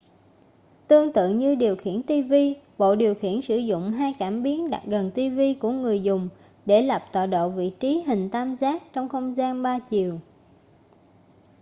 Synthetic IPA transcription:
t̪ɨ˧əŋt̪ɨ̰˧˨ŋɲɨ˧ɗi˨˩əwxḭ˧˩ənt̪i˧vi˧ɓo̰˧˨ɗi˨˩əwxḭ˧˩ənsɨ˧˩zʊ̰˧˨ŋ͡mɦaː˧jkaː˧˩mɓi˨˦ənɗa̰˨˩k̚ɣə˨˩nt̪i˧vi˧ku˧˩əŋɨ˨˩əjzʊ˨˩ŋ͡m | ɗe˧˩la˨˩p̚t̪wa̰ː˧˨˩ɗo̰˧˨vḭ˧˨t͡ɕi˨˦ɦï˨˩ŋ̟t̪aː˧mzaː˦˥k̚t͡ɕɔ˧wŋ͡mxə˧wŋ͡mzaː˧nɓaː˧t͡ɕi˨˩əw

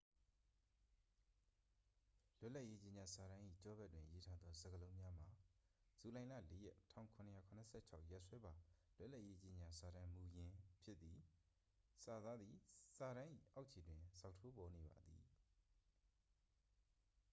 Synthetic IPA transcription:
lʊ˦ʔla˦ʔje˦t͡ɕẽ˨ɲa˨sa˨ɾã˦ʔḭ˦˨t͡ɕɔ˦bɛ˦˨twɪ̃˨ʔəje˦tʰa˦d̪ðɔ˦zə˨ɡə˨lõ˦ʊ̃mja˦m̥a˨ | z̥u˨lã˨ɪ̃la̰˦˨le˦jɛ˦ʔtʰã̰˦˨ʊ̃kʰʊ̃˨nə˨ja˨kʰʊ̃˨nə˨sʰɛ̰˦˨t͡ɕʰa̰˦ʊʔja˦ʔswɛ˦ba˨lʊ˦ʔla˦ʔje˦t͡ɕẽ˨ɲa˨sa˨ɾã˦mu˨jɪ̃˨˦pʰjɪ˦t̪t̪ːi˨ | sa˨d̪a˦d̪ði˨sa˨ɾã˦ʔḭ˦˨ʔa˦ʊʔt͡ɕʰi˨dwɪ̃˨z̥a˦ʊʔtʰo˦bɔ˨ne˨ba̰˨d̪ḭ˨

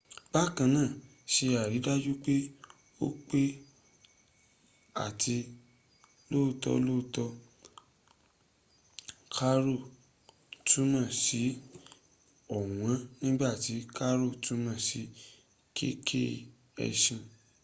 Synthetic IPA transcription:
ba˦kã˧nãː˦˨ | ʃe˧a˨ɾi˨˦da˦d͡ʒu˦k͡pe˦ | o̰˦k͡pe˦ | a̰˨tʰi˧ | lo˦˨tɔ̰˧lo˦˨tɔ˧ | kʰa˦ɾo˦˨ | tũ˦mã˦˨si˨˦ | ɔ˨w̃ã˨˦nĩ˦ɡ͡ba˦˨ti˨˦ka˦ɾo˦˨tʰũ˦mã˦˨si˨˦ | kʰḛ˦kʰḛ˦ | ɛ̰˧ʃĩ˧

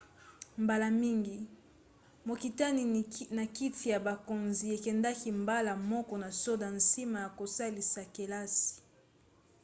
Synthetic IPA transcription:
mba˨la˨mi˦ŋɡi˨ | mo˨ki˨ta˦ni˨na˨ki˦fi˨ja˨ba˨ko˨nzi˨e˨kɛ˨nda˦ki˦mba˦la˨mɔ˦kɔ˨na˨so˦da˨n˨si˦ma˨ja˨ko˨sa˦li˨sa˨ke˨la˦si̥˨

